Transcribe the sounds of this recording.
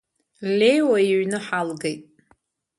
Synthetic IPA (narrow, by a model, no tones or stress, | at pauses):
lʲejwaiɥnɨħalɡejtʼ